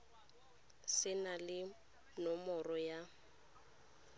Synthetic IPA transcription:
sɪnalɪ | nɔmɔrɔja

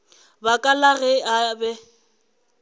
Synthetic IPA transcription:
bakʼalaɣɛabɛ

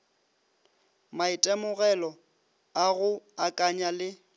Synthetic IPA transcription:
maɪtʼɛmʊɣɛlɔ | aɣʊakʼaɲalɪ

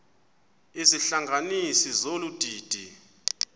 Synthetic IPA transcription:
iziɬaŋɡʱanisizolud̥ʱiːd̥ʱi

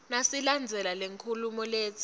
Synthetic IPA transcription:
nasiland͡zʱɛlaleŋkʰulumɔleːt͡sʰʼi̥

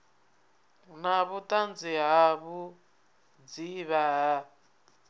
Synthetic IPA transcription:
naβut̪ʼand͡ziɦaβu | d͡ziβaːɦa

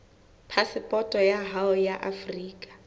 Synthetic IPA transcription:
pʰasɪpʼɔtʼɔjaɦaɔjaʔafriːkʼḁ

